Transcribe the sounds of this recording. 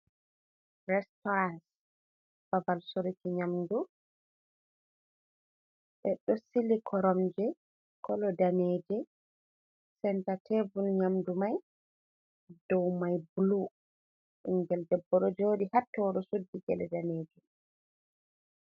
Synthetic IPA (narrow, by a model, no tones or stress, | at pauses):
ɾɛstɔɾans | b̥avalsoɾitiɲamdu | ɓɛɗɔsilikʰɔɾɔmd͡ʒɛ | kɔlɔdanɛːd͡ʒɛ | sɛntatʰevulɲamdumaj | dɔwmajblu | ʔuŋɡɛldɛbːɔɗɔd͡ʒoɗihatːɔɗɔsudːiɡɛ̰lɛdaneːd͡ʒu